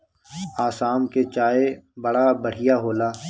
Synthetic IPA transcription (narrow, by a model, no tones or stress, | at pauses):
aːsaːmket͡ʃaːebɐɽabəɽ̤ɪjaɦoːlaː